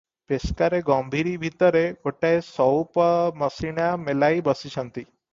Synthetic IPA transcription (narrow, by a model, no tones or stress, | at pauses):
peskaɾeɡɔmbʱiɾibʱit̪əɾekoʈaesɔwpməsiɳjamelaibəsisʰənt̪i